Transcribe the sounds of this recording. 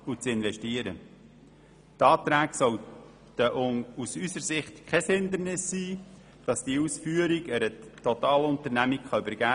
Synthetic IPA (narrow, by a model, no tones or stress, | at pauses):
ut͡sɪnvɛʃtiəɾə | tɑːt̪ɾæːɡsɔw | təʔʊŋusysəɾsɪχtkʰɛshɪnd̪əɾnɪsːiː | d̥ɑsd̥iəuːsfyːəɾɪɡəɾət̪ʰɔt̪ɑːlʊnt̪əɾnæmɪkχɑybəɾɡ̥æː